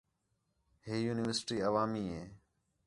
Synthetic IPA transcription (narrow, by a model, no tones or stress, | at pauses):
hiːjuːnɪʋəɾsʈiːəʋaːmiːɦeː